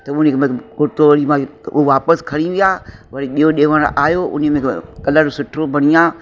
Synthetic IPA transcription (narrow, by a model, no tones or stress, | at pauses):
t̪ɐʊnemẽkʊʈoʋɐɾimãʊ̰ɦoʋaːpəskʰɐɽ̃iʋijaːʋɐɾiɓijoɗeːʋəɽ̰̃ʔa̰ːjoʊ̰nemẽkɐləɾsʊʈʰɾobʱɐɽ̃ijãː